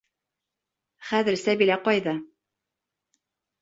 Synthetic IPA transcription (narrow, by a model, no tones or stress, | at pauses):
χæðɘ̆ɾsæβilæqɑjðɑ